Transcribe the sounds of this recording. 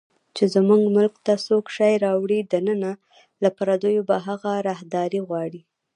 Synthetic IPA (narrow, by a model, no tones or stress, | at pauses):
t͡ʃezmuŋɡmʊlkt̪asokʃɑjɾɑwɽid̪anəna | lapaɾad̪ojobaɦaɣaɾɑhd̪ɑɾiɣwɑɽi